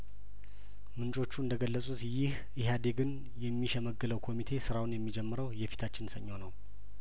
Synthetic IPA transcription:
mɨnt͡ʃʼo̞t͡ʃːuɨnd̪əɡəlːəsʼut̪jɪh | ɨhad̪e̞ɡɨn | jɛmːiʃɛməɡːɨləwkʰo̞mit̪ʰe̞sɨɾawunjɛmːid͡ʒɛmːɨɾəwjɛfi̥t̪ʰat͡ʃːɪnsəɲːəwnəw

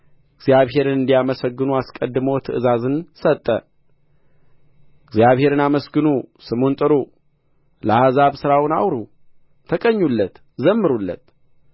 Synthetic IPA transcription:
ɪɡzjaβɦe̞ɾɨnɨnd̪ijaməsəɡːɨnuaskʼəd̪ːɨməwt̪ʰəʔɨzazɨnsət̪ʼːə̰ | ɪɡzjaβhe̞ɾɨnaməsɡɨnusɨmunt̪ʼɨɾu | ləhazaβsɨɾawɨna̰wɾu | t̪ʰəkʼəɲːulːət̪ | zəmːɨɾulːə̰t̪

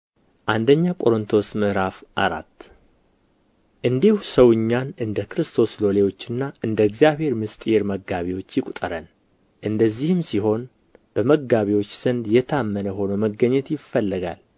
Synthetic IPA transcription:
ʔand̪əɲːakʼo̞ɾɨnt̪ʰo̞smɨʔɾafʔa̰ɾa̰t̪ː | ʔɨnd̪ihusəwɨɲːanɨnd̪əkɾɨst̪ʰo̞slo̞lewo̞t͡ʃːɨnːaʔɨnd̪əɨɡzijaβhe̞ɾmɨst̪ʼjeɾməɡːaβiwo̞t͡ʃːjɪkʷʼut̪ʼəɾən | ʔɨnd̪əzːihɨmsiɦo̞n | b̥əməɡaβiwo̞t͡ʃːz̥ɨnd̪jɛt̪ʰamːənəɦo̞nəməɡəɲːɛt̪jɪfːəlːəɡa̰l

